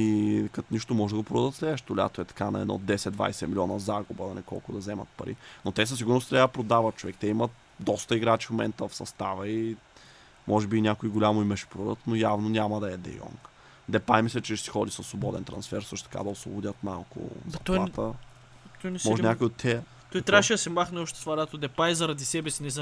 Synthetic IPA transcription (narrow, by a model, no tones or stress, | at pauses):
ikɐt̪niʃt̪omɔʒɛd̪əɡopɾod̪ət̪slɛɛʃt̪olia̰t̪oɛt̪ɐ̥kanɐ̰ɛ̰d̪nɔ̰d̪ɛsɛd̪d̪va̰jsɛmilʲiɔnəzaɡubəd̪ɐnɛkɔ̰lˠkʊd̪ɐzɛmə̰t̪pɐ̰ɾḭnot̪ɛs̬əsiɡʊɾnost̪ɾʲapɾod̪avɐt̪̚t͡ʃovɛkt̪ɛimət̪ | d̪ɔst̪əiɡɾat͡ʃi̥fmomɛnt̪əfsɐst̪avəi | mʔɔʒɛbiːnʲakʊiɡolʲamoimɛʃɛ̥pɾud̪ət̪nojavnonʲamɐd̪ɐɛd̪ɛ̰jɔ̰ŋk | d̪ɛpajmislʲɛt͡ʃɛʃsi̥xɔd̪isɐslobɔd̪ɛ̰nt̪ɾɐ̰nsfɛɾsɤʃt̪ʊ̥t̪ɐka̰d̪ɐoʊslvo̰bʊdʲət̪ma̰lˠkʊ̰zɐt̪ɔat̪ə | t̪ɔjnɛsmɔʒɛnʲakʊjot̪ʲʰːɛ | t̪ɔjt̪ɾaʃijəsɛmaxnɛɔʃt̪ɛ̥svadat̪od̪ɛpajzɐɾɐd̪isɛbɛsinɛz